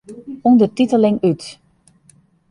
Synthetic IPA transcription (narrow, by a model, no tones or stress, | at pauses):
undərtitəlɪŋyt